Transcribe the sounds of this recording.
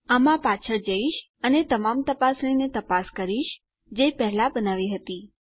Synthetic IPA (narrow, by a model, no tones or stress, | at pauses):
amãpat͡ʃʰəɾd͡ʒəiʃ | ənet̪əmamt̪əpasɾinet̪əpaskəɾiʃ | d͡ʒepəɦlabənaʋiɦət̪i